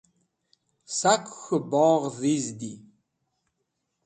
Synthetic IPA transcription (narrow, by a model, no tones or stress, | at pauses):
sakʷxəbɔːʁðizd̪i